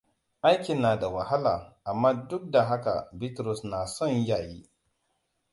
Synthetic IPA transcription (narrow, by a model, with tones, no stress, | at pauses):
ʔa˦jkʲɪ˨nːaː˨da˨wa˨ha˦la̰ː˨ʔa˨mːaː˦dʊ˦k̚da˨ɦa˦ka̰˨bi˦tɾʊ˨snaː˨sɔ˦˨ɲjaː˨jiː˦